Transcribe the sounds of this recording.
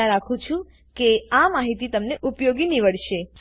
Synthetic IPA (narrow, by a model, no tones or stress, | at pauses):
ãɾakʰũt͡ʃʰũ | keamaɦit̪it̪əmneʔupjoɡiniʋəɽʃe